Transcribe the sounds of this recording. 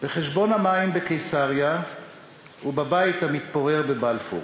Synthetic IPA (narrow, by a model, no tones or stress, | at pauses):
b̥eχeʃbo̞namaimbekejsaʁja | ubabait̪amit̪poʁeʁbebalfṵ